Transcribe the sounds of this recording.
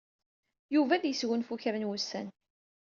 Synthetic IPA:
juvæðjəsɣʊnfuçɾənwusːæ̰n

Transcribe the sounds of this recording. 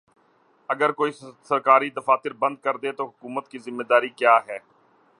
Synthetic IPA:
əɡəɾkoːiːsəɾkaːɾiːd̪əfaːt̪ɪɾbə̃nd̪̚kəɾd̪et̪oːɦʊkuːmət̪kiːzɪmːeːd̪aːɾiːkjaːɦɛː

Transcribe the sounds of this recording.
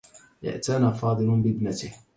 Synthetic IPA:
ʔa̰ʔt̪aːnafɑːd̪ˤɨlbɪbnat̪ɪh

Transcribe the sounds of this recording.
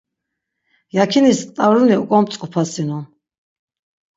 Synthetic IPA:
jakʰiniskʼt̪ʼavɾuniukʼɔmt͡s̪ʼkʼupʰasinɔ

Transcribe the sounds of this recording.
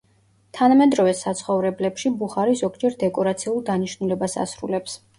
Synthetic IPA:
t̪ʰanamɛd̪ɾɔvɛsat̪sʰχɔvɾɛblɛpʃibuχaɾisɔɡʰd͡ʒɛɾd̪ɛkʼɔɾat̪sʰiulˠd̪aniʃnulɛbasa̰sɾṵlɛps

